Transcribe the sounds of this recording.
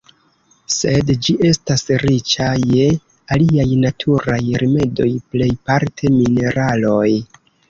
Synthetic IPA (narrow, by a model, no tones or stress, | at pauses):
se̞dd͡ʒiʔe̞stasɾit͡ʃaje̞ | aliajnatʰuɾajɾime̞do̞jple̞jpaɾtʰe̞mine̞ɾalo̞j